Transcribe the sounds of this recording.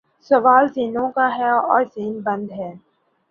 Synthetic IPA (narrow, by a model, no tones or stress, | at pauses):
sɐʋaːlziːnõkaɦɛɔ̰ːɾziːnbɐ̃nd̪ɦɛː